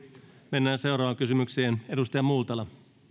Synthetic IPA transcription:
menːæːnse̞wɾɑːʋɑŋkysymykseːne̞dust̪ɑjɑmult̪ɑlɑ

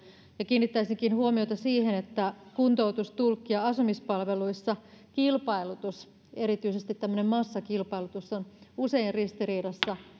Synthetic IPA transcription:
jɑkiːnːit̪ːæisiŋkinhuomiot̪ɑsiːhenet̪ːækunt̪out̪ust̪ulkːiɑɑsumispɑlʋe̞luisːɑ | kilpɑilut̪us | eɾit̪yisest̪it̪t̪ːæmːønemmɑsːɑkilpɑilut̪usːonuse̞inrrist̪iriːɾɑsːɑ

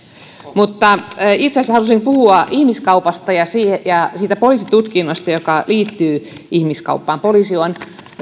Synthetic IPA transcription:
mut̪ːɑit̪seshɑlusimpuhuɑʔihmiskɑupɑst̪ɑjɑsiːjɑsiːt̪æpoliˑsit̪ut̪kinːost̪ɑjokɑliːt̪ːyː | ihmiskɑ̰upːɑːmpoliːˑsion

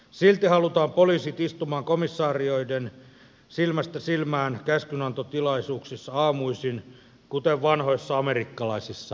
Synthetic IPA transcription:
silt̪ihɑlut̪ɑːmpoliːsit̪ist̪umɑːŋkomisːɑːrioiden | silmæst̪æsilmæːnkæskynɑnt̪ot̪ilɑisuːksisːɑɑːmuisin | kut̪eʋʋɑnhoisːɑɑmerikːɑlɑisisːɑ

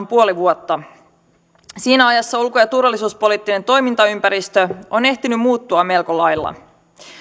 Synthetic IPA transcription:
mpuo̞liʋuot̪ːɑ | siːnæɑjɑsːɑulkojɑt̪urʋɑlːˑisuːspo̞liːt̪ːine̞nt̪o̞jmint̪ɑympæɾist̪øo̞ne̞ht̪inymmuːt̪ːuɑme̞lkolɑjlːɑ̰

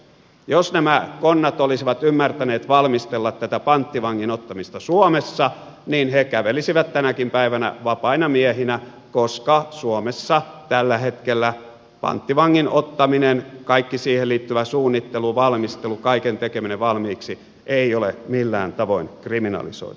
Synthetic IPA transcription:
josnæmækonːɑt̪olisiʋɑt̪ymːært̪æneːt̪ʋɑlmist̪elːɑt̪t̪æt̪æpɑnt̪ːiʋɑŋːinot̪ːɑmist̪ɑsuomesːɑ | niːnhekæʋelisiʋæt̪t̪ænækimpæiʋænæ̰ʋɑpɑinɑmiehinæ | koskɑsuomesːɑt̪ælːæhet̪kelːæ | pɑ̰nt̪ːiʋɑŋːinot̪ːɑminenkɑikːisiːhelliːt̪ːyʋæsuːnːit̪ːeluʋɑlmist̪elukɑikent̪ekemineʋɑlmiːksi | ʔeiolḛmilːæ̰ːnt̪ɑʋo̰inkriminɑ̰lḭso̰ḭt̪

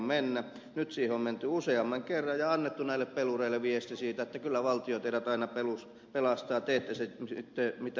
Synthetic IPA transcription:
mmenːæ | nyt̪siːheomment̪yuseɑmːɑŋkerːɑjjɑɑnːet̪ːunæilːˑeppelureilːˑeʋiest̪isiːt̪æet̪ːækylːæʋɑlt̪ijot̪eiɾæt̪ɑinɑpelus | pelɑst̪ɑːt̪eet̪ːæseit̪ːemit̪æ

